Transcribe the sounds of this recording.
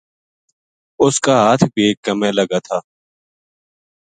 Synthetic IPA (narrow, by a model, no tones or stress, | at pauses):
ʊskaːɦaːt̪ʰbʱikəmẽləɡaːt̪ʰaː